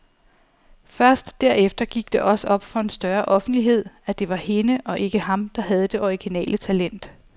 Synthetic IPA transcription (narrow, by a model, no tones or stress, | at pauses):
fɶɐsd̥ːæɐ̰efd̥ɐɡ̥iɡ̥d̥e̝ʔɒ̽səɒ̽b̥fɒ̽e̝nsd̥ɶɐʔɒ̽fn̩d̥liɦe̝ð̞̰ˠæd̥e̝ʋɑ̈he̝nəʔɒ̽ʔe̝ɡ̥əhɑ̈md̥ɑ̈ɦæð̞ˠəd̥e̝ʔɒiɡ̥inɛ̰ːlət͡sʰælen̰d̥